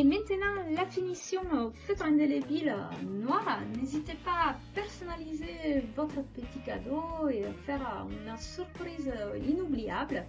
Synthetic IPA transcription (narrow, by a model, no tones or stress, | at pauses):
emɛ̃t̪ənɑ̃lafinisjɔ̃fɛt̪ʁɛ̃nd̪elevilnwaʁnezit̪epaːpɛʁsɔnalizevɔt̪χəpət̪ikad̪oeafɛʁynəsyʁpχizinublija̰blə